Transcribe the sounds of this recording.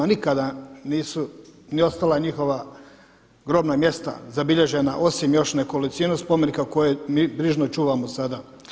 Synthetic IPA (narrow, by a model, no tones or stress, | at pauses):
nikad̪aniːsunio̞st̪alˠaɲixo̞ʋa | ɡɾo̞bnamje̞st̪a̰zabiʎe̞ʒe̞naʔo̞simjo̞ʃnekolisinuspo̞menikako̞jemiːbɾiʒnot͡ʃuːʋamosad̪a